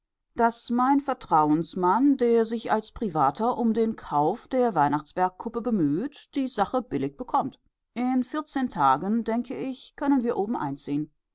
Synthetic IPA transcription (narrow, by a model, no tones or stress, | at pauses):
d̥asmaɪnfɛɐtʁ̥aʊənsmandeːɐzɪçʔa̰lspʁ̥ivaːtʰɐʔʊmdeːnkʰaʊfd̥eːɐvaɪnaχt͡sv̥ɛɐkʰːʊpəbəmyːtd̥iːzaχəb̥ɪlɪç̚b̥əkʰɔmt | ʔɪnfɪɐt͡seːntʰaːɡəndɛŋkʰəʔɪçkʰœnənviːɐʔoːbm̩ʔa̰ɪnt͡siːən